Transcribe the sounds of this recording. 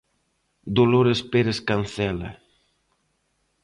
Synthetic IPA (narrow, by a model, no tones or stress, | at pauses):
d̪oloɾespeɾeskanθɛlɐ̰